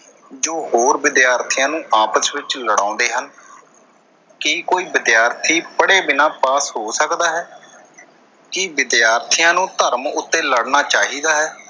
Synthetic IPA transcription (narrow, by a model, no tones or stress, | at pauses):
d͡ʒoːhoːɾʋɪd̪jaːɾt̪ʰijãːnũːʔaːpəsʋɪt͡ʃləɽã̰ːnd̪eːɦən | kiːkoːiːʋɪd̪jaːɾt̪ʰiːpəɽeːbɪnãːpaːsɦoːsəkd̪aːɦɛː | kiʋɪd̪jaːɾt̪ʰijãːnũːt̪əɾmʊt̪ːẽːləɽnaːt͡ʃaːɦiːd̪aːɦɛː